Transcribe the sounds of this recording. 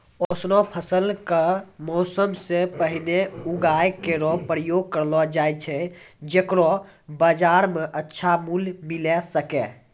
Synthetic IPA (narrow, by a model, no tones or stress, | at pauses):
osnɔpʰəsəlkəmɔːsəmsepəɦineuɡajkeɾɔpɾəjoɡ̚kəɾlɔd͡ʒajt͡ʃʰɛ | d͡ʒekɾɔ | bəd͡ʒaɾmeʔətːʃʰamulmilɛsəkɛ